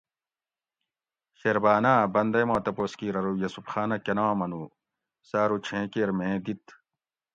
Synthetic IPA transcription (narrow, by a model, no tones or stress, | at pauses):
xeɾbaːnaːbɐnd̪ɐjmãːt̪ɐpoːskiːɾɐɾujɐsupxaːnɐkenaːmɐnu | saːɾut͡ɕʰẽːkeːɾmẽːd̪it̪